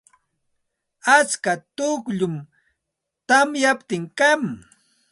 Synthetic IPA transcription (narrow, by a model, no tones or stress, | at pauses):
at͡skat̪ʊkʎʊm | t̪amjapt̪ɪŋkam